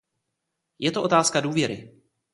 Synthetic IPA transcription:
jɛt̪oʔo̞t̪aːskaduːvjɛɾɪ

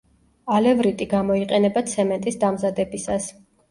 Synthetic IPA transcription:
alɛvɾit̪ʼiɡamɔiqʼɛnɛbat̪sʰɛmɛnt̪ʼisd̪amzad̪ɛbisas

